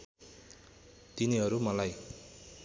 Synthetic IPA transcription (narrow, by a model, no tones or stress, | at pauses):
t̪iniɦʌɾumʌlaj